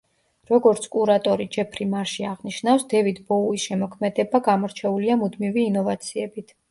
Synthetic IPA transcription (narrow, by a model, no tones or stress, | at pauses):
ɾɔɡɔɾt̪sʰkʼuɾat̪ʼɔɾid͡ʒɛpʰɾimaɾʃiaʁniʃnafsd̪̥ɛvid̪bɔuisʃɛmɔkʰmɛd̪ɛbaɡamɔɾt͡ʃʰɛuliamud̪miviːnɔvat̪sʰiɛbit̪ʰ